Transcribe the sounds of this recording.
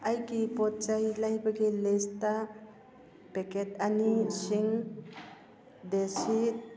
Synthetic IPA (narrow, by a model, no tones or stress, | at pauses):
ajkipɔt̚t͡ʃajlajbaɡelesta | peket̪anisiŋ | desit̪̚